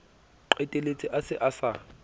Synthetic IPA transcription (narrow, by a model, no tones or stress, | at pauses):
ǃetʼelet͡sʼiʔasɪʔasa